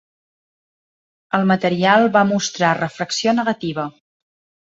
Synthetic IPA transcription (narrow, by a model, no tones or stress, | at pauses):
əlˠmət̪əɾialˠβamust̪ɾarəfɾəksionəɣət̪iβ̞ə